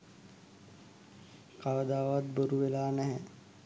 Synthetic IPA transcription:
kaʋəd̪aːʋat̪̚boɾuʋelaːnɛɦɛ

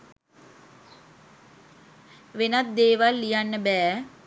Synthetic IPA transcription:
ʋenat̪̚d̪eːʋalːijanːəbɛː

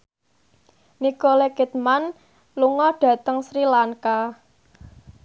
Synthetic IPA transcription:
nikolekɛt̪̚man | luŋɔɖ̥ä̤t̪əŋsɾilaŋka

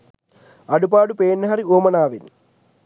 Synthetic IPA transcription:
ɐɽupaːɽupeːnːɐɦɐɾioːmɐnaːʋin

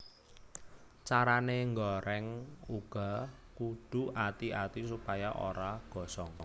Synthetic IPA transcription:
t͡ʃaɾaneŋɡɔɾɛŋuɡ̥ɔ̤ | kud̪̥ṳʔat̪iʔat̪isupajaʔo̰ɾaɡ̥ɔ̤sɔŋ

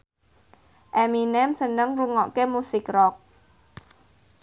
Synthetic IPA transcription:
ʔɛminɛmsənəŋruŋɔʔkemusɪkrɔk̚

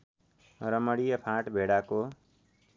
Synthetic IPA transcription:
ɾʌmʌɽijʌpʰãʈbʱeɽako

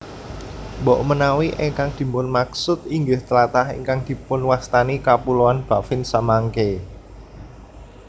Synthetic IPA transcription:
mbɔʔmənawiʔɛŋkaŋd̪̥i̤mbʊnmaksʊt̪iŋɡɪht̪əlat̪ahḛŋkaŋd̪̥i̤pʊnwast̪anikapuloanb̥ä̤fɪnsamaŋke

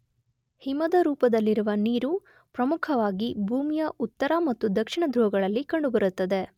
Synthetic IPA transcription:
himɐd̪ɐɾuːpɐd̪ɐlːiɾuʋɐniːɾu | pɾɐmukʰɐʋaːɡibʱuːmijɐʔut̪ːɐɾɐmɐt̪ːud̪ɐkʂiɳɐd̪ɾuɦɐɡɐɭɐlːikɐɳɖubɐɾut̪ːɐd̪e̞

